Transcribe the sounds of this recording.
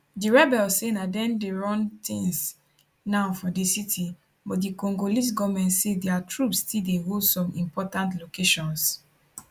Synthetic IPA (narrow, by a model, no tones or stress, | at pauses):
diɹɛbɛlssenadɛ̃ndeɹɔ̃nt̪ĩŋs | naʊfɔdisitʰi | bɔt̚dikɔ̃ŋɡolis̬ɡɔmɛ̃ntsedɛatʰɹupstildeɦodsɔ̃mĩmpɔtãntlokeʃɔ̃ns